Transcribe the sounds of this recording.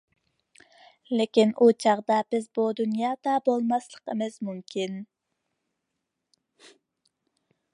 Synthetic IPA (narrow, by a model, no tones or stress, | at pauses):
lɪkʲinʔut͡ʃʰɑʁd̪ɑbɪzbud̪unjɑːd̪ɑbolˠmɑslˠəqəmɨzmumkʲʰin